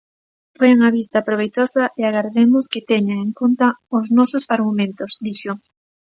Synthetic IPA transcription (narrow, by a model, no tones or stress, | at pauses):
pojaŋaβist̪ɐpɾoβ̞ejt̪osɐʔeaɣaɾðemʊskɪt̪eɲaŋeŋkont̪ɐʊznɔsʊsaɾɣumẽnt̪ʊsd̪iʃʊ